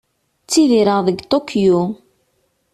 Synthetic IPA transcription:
t͡sːiðiɾəʁðəɡt̪ˤokʰju

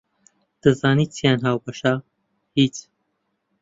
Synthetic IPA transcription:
d̪̥ɨzaːniːt͡sʰijaːnɦaːwbɐʃa | hit͡s

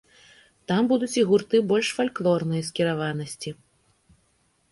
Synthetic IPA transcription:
t̪ambud̪ut͡sʲiɣurt̪ɨbɔlʲʂfalʲklˠɔrnɨjɐskʲiɾavanɐsʲt͡sʲi

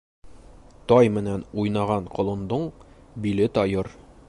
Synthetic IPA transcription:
t̪ɒjmɘ̆nænujnɑʁɑɴqŏlˠɤ̆nd̪ɤɴbilɘt̪ɒjɤɾ

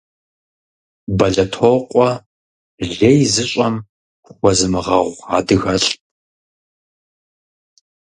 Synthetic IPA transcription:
bɐɮɐtʰoqʷʼɔ | ɮejzɨɕʼɐm | χʷɔzɨmɨʁɐʁʷa̰ːdɨɣɐɬʼ

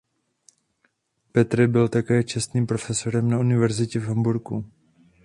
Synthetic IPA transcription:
pɛt̪ɾɪbɪlt̪akɛːt͡ʃɛst̪niːmpɾo̞fɛsoɾɛmnaunɪvɛɾzɪcɛvɦambuɾku

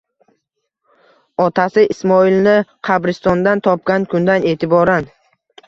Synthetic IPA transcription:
ɒt̪ʰasɪɪsmɒilnɪqʰɑbɾɪst̪ɒnd̪ant̪ʰɒp̚kʲankʰʊnd̪ane̞ːt̪ʰɪbɒɾan

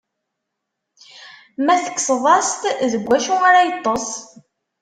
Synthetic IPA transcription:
mæθə̥kːsðˤɑst̪ðəɡʷːæʃuʁaɾajət̪ˤːosˤ

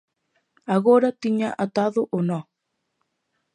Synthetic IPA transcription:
aɣoɾat̪iɲaʔat̪aðoʔonɔ

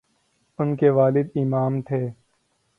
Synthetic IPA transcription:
ʊnkeʋaːlɪd̪ɪmaːmt̪ʰeː

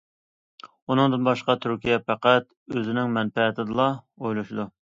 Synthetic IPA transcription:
unɨŋd̪ɨnbɑʃqɑt̪ʰyɾkʲʰijɛpæqæt̪ | øzɪnɪŋmɛnpɛt̪ʰɪd̪ɨlˠɑ | ojlˠuʃɪd̪u

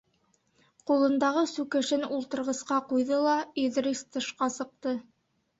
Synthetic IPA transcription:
qulˠɤ̆nd̪ɑʁɤsʉkɘ̆ʃɘnulˠt̪ɤ̆ɾʁɤ̆sqɑqujðɤlˠɑiðɾist̪ɤ̆ʃqɑsɤ̆q̚t̪ɤ

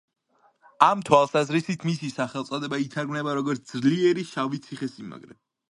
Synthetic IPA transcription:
amt̪ʰwalˠsazɾisit̪ʰmisisaχɛlˠt̪sʼɔd̪ɛbait̪ʰaɾɡmnɛbaɾɔɡɔɾt̪ʰd̪zliɛɾiʃavit̪sʰiχɛsima̰ɡɾɛ̰

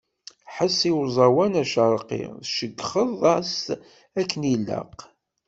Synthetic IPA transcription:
ħəsːiwzˤɑwænæʃəɾˤqḭʁðʃəɡχəðˤɑs | ækːənilːə̰q

